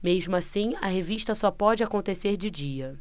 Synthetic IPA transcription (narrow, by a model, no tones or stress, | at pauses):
meʒmʊasĩɐ̰ɦeviʃt̪ɐsɔpɔd͡ʒɪakõnt̪eseɾd͡ʒɪd͡ʒiɐ